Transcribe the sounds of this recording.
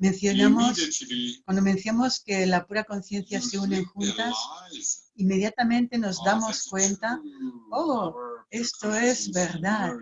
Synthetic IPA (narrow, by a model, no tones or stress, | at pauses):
mẽ̞nθjonamoskwand̪omẽn̟θjamoskelapuɾako̞n̟θje̞n̟θjaseune̞ŋxunt̪as | imːe̞ðjat̪amẽnt̪e̞no̞zðamo̞skwe̞nt̪aoe̞st̪o̞ezβe̞ɾðat̪